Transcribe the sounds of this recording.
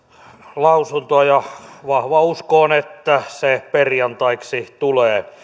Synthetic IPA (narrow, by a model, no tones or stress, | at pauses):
lɑusunt̪oɑjɑʋɑhʋɑuskoːnet̪ːæseperjɑnt̪ɑiksit̪uleː